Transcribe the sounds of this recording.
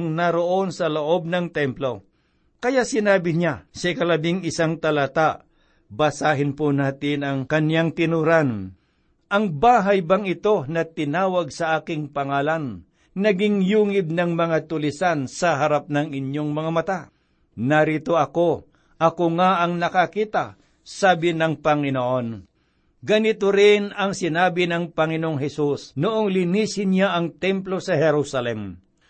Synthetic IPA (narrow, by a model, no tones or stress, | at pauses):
ŋnɐɾoʔo̞nsɐloʔo̞b̚nɐŋt̪ɛmplo̞ | kɐjaʔsɪnaːbɪɲasɐɪkalɐbɪŋɪsaŋt̪ɐlat̪aʔ | bɐsaːɦɪnponaːt̪ɪnɐŋkɐnjaŋt̪ɪnuɾan | ʔɐŋbaːɦajbaŋɪt̪o̞nɐt̪ɪnaːwaɡ̚sɐʔaːkɪŋpɐŋaːlanː | ɐɡɪŋjuːŋɪb̚nɐŋmɐŋat̪ʊlɪsansɐɦɐɾap̚nɐŋɪɲjoŋmɐŋamɐt̪a | nɐɾit̪oɐko̞ | ʔɐkoŋaʔɐŋnɐkɐkiːt̪a | saːbɪnɐŋpɐŋɪnoʔon | ɡɐnɪt̪oɾɪnɐŋsɪnaːbɪnɐŋpɐŋɪnoʔoŋɦɛsusnʊʔoŋlɪniːsɪnjaʔɐŋt̪ɛmplo̞sɐhɛɾusɐlɛm